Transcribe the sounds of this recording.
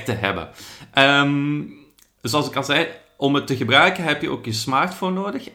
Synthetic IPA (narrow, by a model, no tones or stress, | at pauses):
təɦɛ̰bə̰ʔəm | sɑlˠsɪkɑlˠzɛj | ɔmətəɣəbrœɥkəɦɛpjəʔo̰ːkjəsmaːrtfonːoːdəx